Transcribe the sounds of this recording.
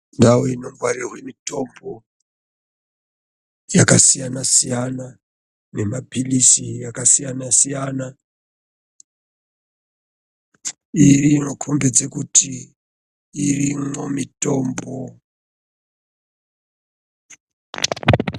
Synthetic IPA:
ndawoinomvwarirawemito̞mbo | jakasijanasijana | ne̞mabʱilisijakasijanasijana | iriŋokʰombe̞d͡ze̞kutʰiː | rimo̞mito̞mbo̞

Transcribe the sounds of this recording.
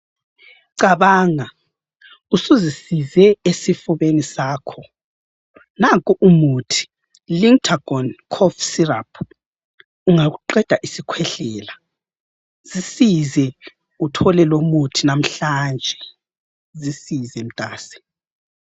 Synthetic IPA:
ǀaβaːŋa | usuzisizɛesifuβenisaːkʰɔ | naŋkʼuʔumutʰi̥ | liŋtʰaɡ̥ɔnkʰɔfsirapʰ | uŋaɣuǃɛd̥ʱaʔisikʰwɛɬɛːla | z̥isizɛ | utʰɔlɛlomutʰinam̩ɬand͡ʒʱɛ | zisizɛm̩tʼaːsɛ̥

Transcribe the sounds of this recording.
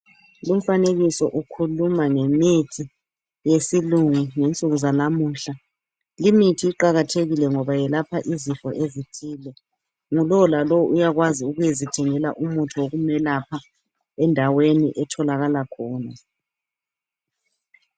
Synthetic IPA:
lum̩faneɣisɔʔukʰulumaŋemitʰi | jesiluŋuŋent͡sʼuɣuzanamuːɬa | limitʰiːǃaɣatʰeɣilɛŋɔβajɛlapʰaʔizifɔ̰ʔezitʰiːlɛ | ŋulɔlalɔʔujaɣwaziuɣujezid̥ʱɛŋɛla̰ʔumutʰuwoɣumɛlapʰa | ɛndʱawenḭʔɛtʰɔlaɣalakʰɔːna

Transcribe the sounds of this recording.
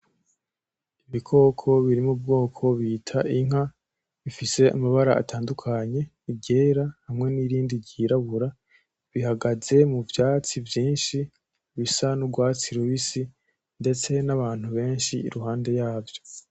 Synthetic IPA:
iβikʰo̞kʰo̞βiɾimub̚ɡo̞ːkʰo̞βiːtʰaʔiŋ̥a | βifise̞a̰maβaɾa̰ːtaːndukʰaɲe̞ | ibɟe̞ːɾahamŋe̞niɾiːndiɟiɾaβuɾa | βihaɡaze̞muvjaːt͡sivjiːnʃi | βisanuɡwaːt͡siɾuβisi | nde̞t͡se̞naβaːn̥huβe̞ːnʃḭːɾuɦaːnde̞jaːvjo̞

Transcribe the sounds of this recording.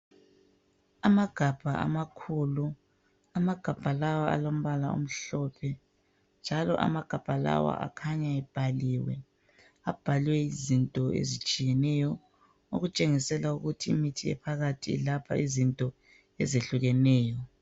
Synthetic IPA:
amaɡ̥ʱab̥ʱaʔa̰makʰulu | amaɡ̥ʱab̥ʱalawaa̰lom̩βalao̰m̩ɬɔpʰɛ | nd͡ʒʱalɔ̰ʔa̰maɡ̥ʱab̥ʱala̰wa̰ʔa̰kʰaɲaɛb̥ʱaliwɛ | ab̥ʱalwɛizintʼɔḛzit͡ʃʼijɛnɛjɔ | o̰ɣut͡ʃʼeŋisɛlauɣutʰiːmitʰiɛ̰pʰaɣatʰḭːlapʰa̰izintʼɔ | ɛzeɬuɣɛnɛːjɔ

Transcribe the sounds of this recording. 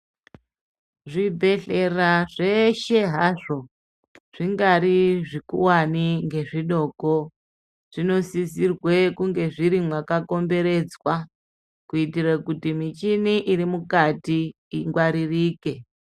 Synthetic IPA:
ʐibʱe̞ɬeraʐeʃe̞ɦaʐo̞ | ʐ̥iŋɡaɾiʐikuwaniŋɡe̞ʐiɗo̞ko | ʐ̥ino̞sisirwekuŋɡe̞ʐiɾimwakako̞mbe̞ɾe̞d͡zwa | kuitirakutimit͡ʃiniʔiɾimukatiː | ŋɡwaɾiriːke

